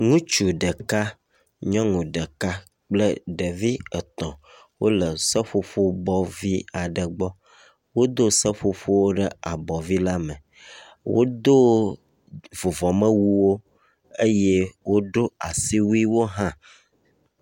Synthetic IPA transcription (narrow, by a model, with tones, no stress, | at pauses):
ŋũ˦t͡ʃu˨ɖə˨ka˦ | ɲɔ̃˦ŋũ˨ɖə˨ka˦ | k͡plə˦ɖə˨vi˦ə˨t̪ɔ̃˨ | wo̰˦lə˨sə˦ɸo˦ɸo˦bɔ˦vi˦a˨ɖə˨ɡ͡bɔ˦ | wo˦d̪o˦sə˦ɸo˦ɸo˦wo˦ɖə˦a˨bɔ˨vi˦la˦mə̃˨ | wo̰˦d̪o˦ | vo˨vɔ˨mə̃˦wu˦wo˦ | e˦jɛ˦wo˦ɖo˦a˨si˦wu˦i˦wo˦ɦã˦